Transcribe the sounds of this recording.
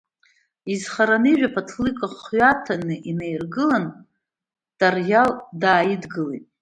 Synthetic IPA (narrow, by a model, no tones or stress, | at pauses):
izχaɾanɨʒᶣapʰatʰlɨkʼaχɥatʰanɨʔinejrɡɨlan | d̥arjaldaːjɪdɡɨlejtʼ